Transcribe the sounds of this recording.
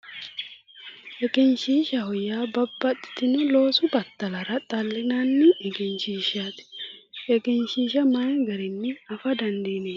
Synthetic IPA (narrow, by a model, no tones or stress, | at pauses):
ʔɛkʼɪnʃiːʃɐhɔjːaːbɐbːɐt̪ʼːɪ̥t̪ɪnʊlo̞ːsʊbɐt̪ːɐlɐɾɐt̪ʼɐlːɪnanːɪʔɛɡɪnʃiːʃaːt̪ʔɛkʼɪnʃiːʃɐmɐjɐɡɐɾɪnːɛɐfɐd̪ɐnd̪iːneː